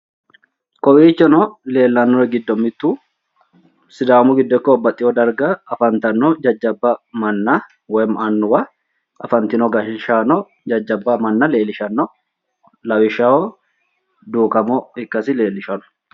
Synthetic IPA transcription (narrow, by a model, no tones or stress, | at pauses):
kɔwiːt͡ʃːɛnɔle̞ːlːɐnːɔɾɛɡɪd̪ːɔmːɪt̪ːuː | sɪd̪aːmʊɡɪd̪ːɔkːɔːbɐt̪ʼːɪjɔd̪ɐɾɡɐːfɐnt̪ɐnːɔd͡ʒɐd͡ʒːɐbːɐmɐnːɐ | wɔjmʔɐnːʊwɐ | ɐfɐnt̪ɪnɔɡɐʃɪʃanɔ | d͡ʒɐd͡ʒːɐbːɐmɐnːɐle̞ːlɪʃɐnːɔ | lɐwɪʃaɔ | d̪uːkɐmɔɪkːɐsɪle̞ːlːɪʃɐnʊ̥